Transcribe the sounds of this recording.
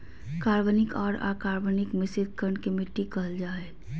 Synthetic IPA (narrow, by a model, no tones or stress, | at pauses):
kaːɾʋənɪkɔːɾa̰ːkaːɾʋənɪkmɪsɪd̪̚ʱkəɾɳkimɪʈːikəld͡ʒaːe